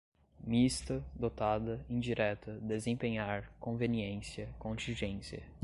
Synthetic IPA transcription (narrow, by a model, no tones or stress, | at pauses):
mist̪ɐd̪ot̪ad̪ɐĩd͡ʒiɾɛt̪ɐd̪ezẽpẽɲaɾkõveniẽsjɐkõnt͡ʃĩʒẽsjɐ